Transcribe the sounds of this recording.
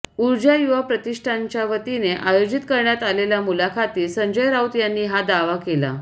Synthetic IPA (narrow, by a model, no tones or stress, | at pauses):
uɾd͡ʑajuʋapɾət̪iʂʈʰaɲt͡ɕjaʋət̪ineʔajod͡ʑit̪kəɾɳjat̪aleljamulakʰat̪iːsəɲd͡ʑəjɾawt̪janːiːɦad̪aʋakela̰